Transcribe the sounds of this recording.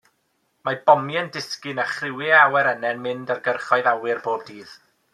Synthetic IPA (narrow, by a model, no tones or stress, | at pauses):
mab̥ɔmjɛndɪskɨnaχrɪwɪawɛɾənɛnmɪndarɡərχɔɨðawɪrboːb̚diːð̥